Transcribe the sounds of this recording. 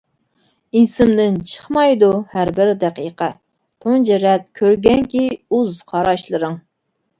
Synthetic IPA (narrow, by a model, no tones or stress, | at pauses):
insɪmd̪ɪnt͡ʃʰə̥χmɑjd̪uhæɾbɪɾd̪ɛqijqʰɛ | t̪ʰond͡ʒɛɾɛt̪̚kʲʰøɾɡʲɛŋkʲiuzqʰɑɾɑʃlˠɨɾɨŋ